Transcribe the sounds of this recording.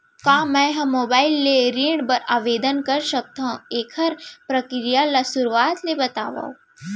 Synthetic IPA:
kaːmɛ̃ɦɐ̃mːoːbaːɪlːeɾĩːɳɖbɐɾaːʋeːd̪ənkɐɾʃɐk̚t̪aũeːkʰɐɾpɾɐkɾijalasʊɾʋaːt̪lebɐt̪a̰ːʋa̰o

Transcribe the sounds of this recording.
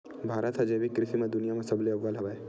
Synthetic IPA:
bʱaːɾət̪ɦɐd͡ʒeːbikːɾɪt̪imẽd̪ʊnijamẽsɐbleɐʋːalɦɐʋaːe

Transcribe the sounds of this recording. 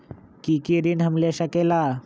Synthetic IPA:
kikiɾinɦɐmleʃəkela

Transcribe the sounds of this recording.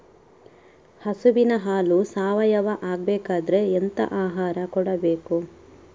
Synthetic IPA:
hɐsubinɐɦaːlusaːʋɐjɐʋɐʔaːɡ̚beːkaːd̪ɐɾe̞ːnt̪ɐ̰ʔaːɦaːɾɐkɔɽɐbe̞ːku

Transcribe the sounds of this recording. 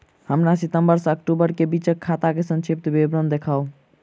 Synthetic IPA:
həmɾasit̪əmbəɾsək̚ʈubəɾkebit͡ʃəkʰːat̪akesə̃nt͡ʃʰip̚t̪bebɾənd̪ekʰau

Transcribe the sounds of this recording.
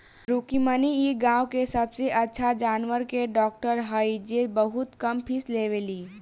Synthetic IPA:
ɾuːkimənieɡãːwkesɐbseʔɐtːʃʰad͡ʒaːnʋəɾkeɖɔːk̚ʈəɾɦəid͡ʒebəɦʊt̪kɐmpʰɪsleːʋeliː

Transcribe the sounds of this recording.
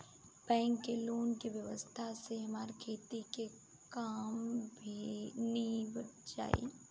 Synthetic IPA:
bɛ̃ːŋkːeloːnkiʋjəʋəst̪ʰaseɦɐmaːɾkʰeːt̪ike | kaːmbʱinibət̪d͡ʒa̰ːḛː

